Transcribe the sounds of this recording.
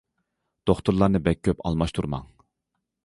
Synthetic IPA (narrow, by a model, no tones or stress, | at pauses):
d̪̥oχt̪uɾlˠɑɾnɨbɛk̚ʲʰːøpɑ̰lˠmɑʃt̪ʰuɾmɑ̰ŋ